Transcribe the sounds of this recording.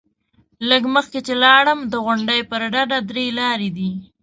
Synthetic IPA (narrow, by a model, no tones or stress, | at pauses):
ləɡməxket͡ʃelɑɽəmd̪əɣʊɳɖəjpəɾɖaɖad̪ɾelɑɾed̪i